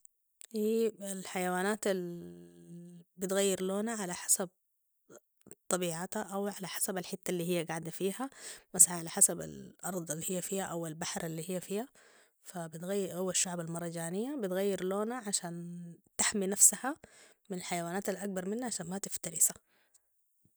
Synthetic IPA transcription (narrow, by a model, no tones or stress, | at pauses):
ʔiːalħajawaːnaːt̪al | bɪt̪ɣajːɪɾloːnaʕalaħḁsab̚ | t̪ˤːɑbiːʕat̪aʔawʕalaħḁsabalħɪt̪ːalːiːɦijːaɡaʕd̪afiːhamasʕaalaħasaba̰lʔɑɾˤd̪ˤalːihijːafiːhaʔawalbaħɾʔalːiːhijːafiːha | fabɪt̪ɣajːɪɾhuwːaʃːaʕbalmɑɾˤɑd͡ʒaːnɪjːabɪt̪ɣajːɪɾloːnaʕaʃaːnt̪aħminafsaha | mɪnalħajawaːnaːt̪alʔak̚bɑɾˤmɪnːaʕaʃaːnmat̪ɪft̪ɑɾɪsḁ